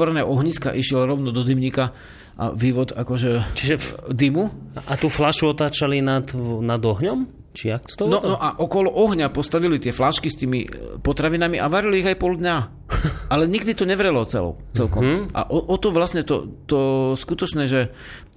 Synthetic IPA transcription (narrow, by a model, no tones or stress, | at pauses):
ɔɾɛnɛʔɔɦɲiska̰ʔiʃɪɛlɾɔʊnɔd̪ɔd̪imɲika | ʔa̰ʋiːʋɔd̪akɔʒɛt͡ʃiʒɛd̪imuʔat̪uːflaʃuɔt̪aːt͡ʃalinat̪nad̪ɔɦɲɔm | t͡ʃiakt̪ɔnɔnɔʔaʔɔkɔlɔʔɔɦɲapɔst̪aʋilit̪ɪɛflaʃkist̪iːmḭpɔt̪ɾaʋinamiʔaʋaɾiliːɣajpɔld̪ɲa | alɛɲiɡd̪it̪ɔɲɛʋɾɛlɔt͡sɛ̰lɔ̰ʊt͡sɛlkɔmʔa̰ʔɔʔɔt̪ɔʋlasɲɛt̪ɔ̰t̪ɔskut̪ɔt͡ʃnɛːʒɛ